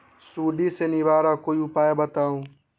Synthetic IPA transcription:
suːɖisenibaːɾakoːiʊpaːebət̪aːũː

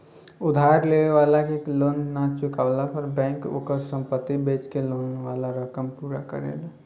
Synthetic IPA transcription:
ʊd̪ʱaːɾleeʋaːlakekloːnːat͡ʃʊkaʋlapəɾbɛ̃ŋko̰ːkəɾsə̃mpət̪ːibeːt͡ʃkeloːnʋalaɾəkəmpuːɾakə̰ɾḛla

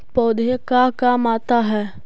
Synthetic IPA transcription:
pɔːd̪əkakamaːt̪aɦɛː

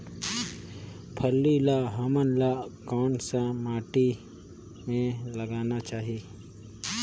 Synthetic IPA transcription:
pʰəlːilaːɦaːmənlaːkaːnsamaːʈi | mẽlɐɡaːnat͡ʃaːɦieː

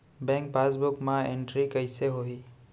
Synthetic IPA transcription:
bɛ̃ŋk̚basbʊkmãeɳʈɾikəjseɦoɦi

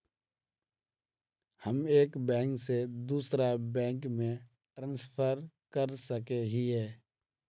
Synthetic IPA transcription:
həmeːkbɛ̃ːŋksed̪uːsɾabɛ̃ːŋkmẽ | ʈɾãːnspʰəɾ | kəɾsəkeɦiɦɛː

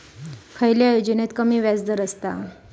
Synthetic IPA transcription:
kʰəjljajod͡ʑənet̪kəmiːʋjad͡zd̪əɾəst̪a̰

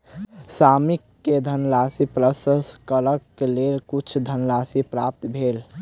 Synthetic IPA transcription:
samikːed̪ʱənlasipɾəsəskələkːelelkut͡ʃʰd̪ʱənlasipɾap̚t̪bʱel

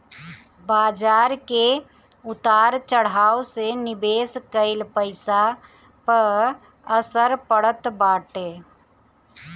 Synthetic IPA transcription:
baːd͡ʒaːɾke | ʊt̪aːɾt͡ʃəɽ̤aːosenɪbeːskəɪlpəɪsa | pəɾ | əsəɾpəɽət̪baːʈeː

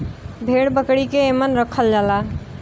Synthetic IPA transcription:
bʱeɽbəkɽikeːmənɾəkʰəld͡ʒala

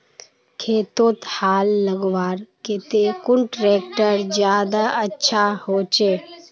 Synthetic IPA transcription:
kʰeːt̪oːt̪haːlːəɡʋaːɾket̪ekʊɳʈɾeːk̚ʈəɾd͡ʒjaːd̪aətːʃʰahoːt͡ʃeː

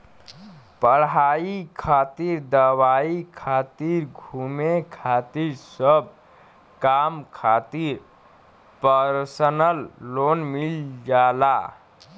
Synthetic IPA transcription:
pəɽɦaikʰat̪iɾd̪əwaikʰat̪iɾɡʱumekʰat̪iɾsəb̚ | kamkʰat̪iɾ | pəɾsənəlːonmild͡ʒala

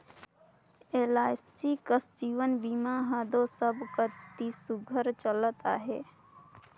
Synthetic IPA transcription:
eːlaːɪsʈikəsd͡ʒiːʋənbiːmaːɦaːd̪õːsəbkət̪isʊɡʱəɾt͡ʃəlt̪aɦɛ̰ː

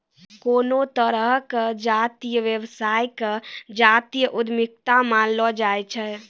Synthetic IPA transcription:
konot̪əɾəɦkd͡ʒat̪ijəʋjeʋsajkəd͡ʒat̪ijəʔud̪ʱmik̚t̪amãlɔd͡ʒajt͡ʃʰɛ

